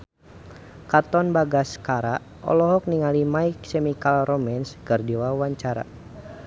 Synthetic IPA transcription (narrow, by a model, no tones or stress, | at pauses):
kat̪ɔnbaɡaskaɾa | ʔɔ̰lɔɦɔk̚niŋalimaiksɛmikalrɔmɛnskərdiwawaɲt͡ʃaɾa̰